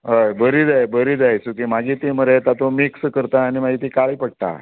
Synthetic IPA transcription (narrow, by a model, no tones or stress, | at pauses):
ɦəjbəɾiːd͡zajbəɾiːd͡zajsuk̪imaɡiːt̪eməɾet̪at̪omikskəɾt̪aːñimaɡiːt̪ikaɭiːpəɽ̚t̪a̰